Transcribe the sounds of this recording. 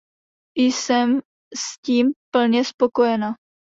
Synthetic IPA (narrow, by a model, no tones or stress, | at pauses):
jɪsɛm | sciːmpl̩ɲɛspo̞ko̞jɛna